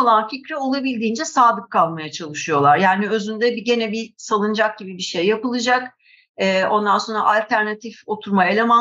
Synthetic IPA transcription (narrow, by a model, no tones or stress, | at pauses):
lˠanficɾɛo̞lˠabilʲd̪iːnd͡ʒɛsaːd̪ɯkkʰːalˠmajat͡ʃʰalˠɯʃɯjo̞lˠaɾjaːniø̞zynd̪ɛbiɟe̞nɛbisalˠɯnd͡ʒak̚ɟ̥ibibiʃejːapɯlˠɯd͡ʒak | ɛːo̞nd̪anso̞nɾa̰ʔalʲt̪ʰæɾnat̪ʰifo̞t̪ʰuɾmae̞lʲe̞ma